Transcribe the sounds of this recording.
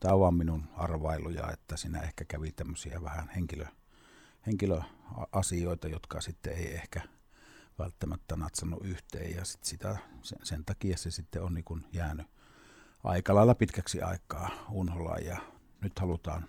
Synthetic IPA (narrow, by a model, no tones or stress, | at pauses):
t̪æˑʋɑmminunɑrʋɑˑelujɑ̰ḛt̪ːæsiːnæ̰ehkækæʋit̪æmːøsiæ̰ʋæhænheŋkilø | heŋkiløɑʔɑsijoˑet̪ɑjot̪kɑsit̪ːeeˑiehkæ | ʋælt̪ːæmæt̪ːænæːt̪sɑnːuʔʔyht̪ḛːjjɑsi̥t̪sit̪æsesent̪ɑkijɑsesit̪ːeonniːkunjæːny | ʔɑ̰ˑikɑlɑˑelːɑpit̪kæksḭɑ̰ˑekːˑɑːunholɑ̰jjɑ | nyt̪hɑlut̪ɑ̰ːn